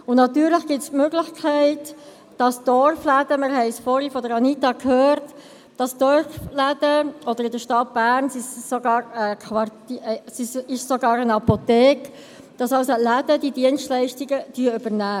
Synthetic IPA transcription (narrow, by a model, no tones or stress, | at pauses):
ʊnnɑtyːɾləχɡ̥ɪtsmøɡlɪχkʰɛɪt | d̥ɑsd̥ɔɾflædəməɾɦɛɪsfɔɾifɔdəɾɑnitɑkhøːɾt | d̥ɑsd̥ɔɹflædəʔɔd̥̪əɾɪdəʃtɑt̚b̥æɾnsɪʃsɔɡɑːɾəkʰʋɑtsɪʃsoɡɑːɾənɑpotɛːk | d̥ɑsɑlsolæd̥ədidiənstlæɪʃtiɡəd̥yəʏbəɾnæː